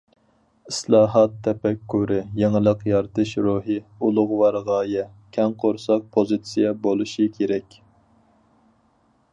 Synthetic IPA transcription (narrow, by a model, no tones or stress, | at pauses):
islˠɑːɦɑt̪ʰːɛpɛkʲʰːuɾɨjeŋɨlˠəqjɑɾt̪ʰɨʃɾuɦɨulˠʊʁʊwɑɾʁɑːjɛkʲʰɛŋqʰoɾsɑq̚pʰozɨt̪sijɛbolˠuʃikʲʰeɾɛkʲ